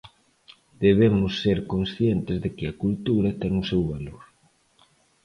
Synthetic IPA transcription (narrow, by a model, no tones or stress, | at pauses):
d̪̥eβ̞emʊsːeɾkonsθjent̪ɪzðɪkɪɐkult̪uɾɐt̪ɛŋʊsewβaloɾ